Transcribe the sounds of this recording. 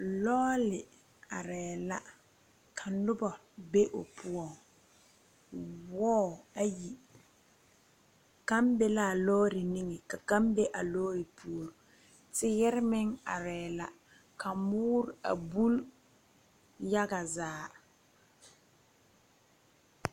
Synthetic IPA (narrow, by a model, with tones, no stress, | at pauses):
lɔː˦lɪ˨ | a˨ɾɛː˨la˦ | kʰa˨nʊ˦bɔ˨ | be˦ʔo˨pʰʊ˦ɔ˨ŋ | wɔː˦˨a˦ji˨ | ka˦mbɛ˦la˦˨lɔː˦ɾɪ˨ni˦ŋɛ˨ka˨ka˦mbɛ˦ʔa˨lɔː˦ɾɪ˨pʰu˦o˨ɾo˨ | tɪ˦jɛ˦ɾɪ˦mɪ˦ŋa˨ɾɛː˨la˦ | ka˨mʊː˦ɾa̰˨bu˦l | ja˦ɡa˨zaː˦